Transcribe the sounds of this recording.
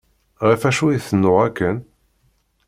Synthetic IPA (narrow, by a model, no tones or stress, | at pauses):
ʁifæʃujiθənːʊʁækːən